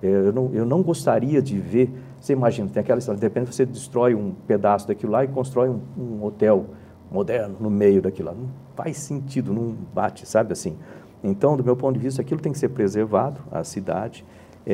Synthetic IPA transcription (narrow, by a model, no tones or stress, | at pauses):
ɛewnɐ̃w̃ewnɐ̃w̃ɡost̪aɾiɐd͡ʒɪveɾ | oseimaʒĩnɐt̪ẽj̃ɐakɛlɐist̪ɔɾɐd̪ehepẽd͡ʒɪvosed͡ʒɪst̪ɾɔjũped̪asʊd̪akilʊlaɪkõst̪ɾɔjũũot̪ɛw | mod̪ɛɾnʊnʊmejʊd̪akilʊla̰nɐ̃w̃ | fa̰jsẽnt͡ʃid̪ʊnɐ̃w̃bat͡ʃɪ̥sabɪasĩ | ẽnt̪ɐ̃w̃d̪ʊmewpõt̪ʊd͡ʒɪvist̪ɐakilʊt̪ẽj̃kɪ̥seɾpɾezeɾvad̪ʊɐ̰sid̪a̰d͡ʒɪ̥